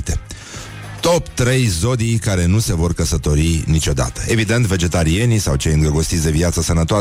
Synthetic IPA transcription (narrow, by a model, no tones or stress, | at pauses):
t̪e | t̪o̞pt̪ɾe̞jzo̞d̪ijkaɾe̞nuse̞vo̞rkəsət̪o̞ɾinit͡ʃo̞d̪a̰t̪ə̥e̞vid̪e̞nt̪ve̞d͡ʒe̞t̪aɾie̞nisawt͡ʃe̞jɨnŋɡɾəɡo̞st̪itsʲd̪e̞viat̪səsənət̪oa